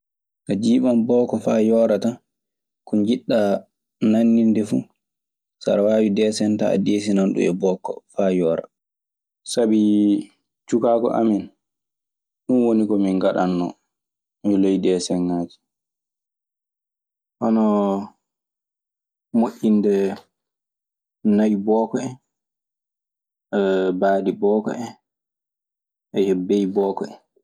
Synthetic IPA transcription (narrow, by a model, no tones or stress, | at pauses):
kad͡ʒiːɓanbɔkɔfajɔːɾata | kɔnd͡ʒiɗːa | nanːindɛfṵ | sa̰ɾwaːjidɛːsɛnta̰ːdeːs̬inanɗṵɛbɔkːɔ̰faːjɔːɾa̰ | sabi | t͡ʃukakɔ̰ʔa̰min | ɗunwonikɔmiŋɡaɗanːɔ̰ | milejɗiɛsɛŋːaːd͡ʒi̥ | ʔɔnɔ | moʔʲːindɛ | najbɔːkɔɛ | baːdibɔːkɔ̰ɛ | ʔɛjɛbejbɔːkɔɛ